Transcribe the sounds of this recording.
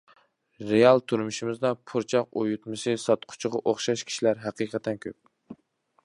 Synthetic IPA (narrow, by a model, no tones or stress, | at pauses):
ɾejɑlˠt̪ʰuɾmuʃimɪzd̪ɑpʰuɾt͡ʃʰɑqojut̪mɨsɨsɑt̪qʰʊ̥t͡ʃʰɪʁɑʔoχʃɑʃkʲʰi̥ʃilæɾɦæqɨqʰɛt̪ʰːɛnkʲʰøp̚